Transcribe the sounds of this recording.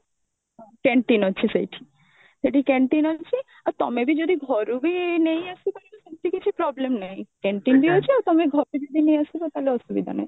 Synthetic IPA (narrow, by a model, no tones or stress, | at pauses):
ɦɔ̃kɛɳʈinɔt͡ʃʰisejʈʰi̥ | seʈikɛɳʈinɦɔt͡ʃʰi | aɾt̪ɔ̰mebid͡ʒod̪iɡʱɔɾubinejasit̪aileseʈʰikit͡ʃʰipɾɔblemnaɦĩkɛɳʈinbiɦot͡ʃʰiawt̪ɔmeɡʱɔɾbid͡ʒod̪ʱinejasibɔt̪aleɔsubḭd̪ʱa̰na̰j